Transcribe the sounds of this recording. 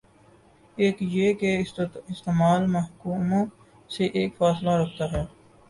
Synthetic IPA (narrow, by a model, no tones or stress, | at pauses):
eːkjeːkeɪst̪eːmaːlmɐɦkuːmõ | seʔeːkfaːslaɾɐk̚ʰt̪aɦɛː